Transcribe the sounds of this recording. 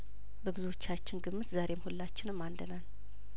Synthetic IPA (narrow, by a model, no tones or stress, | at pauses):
bəɡɨzuo̞t͡ʃːat͡ʃːɪnɡɨmːɨt̪zaɾe̞mhulːat͡ʃːɪnɨmːand̪ənan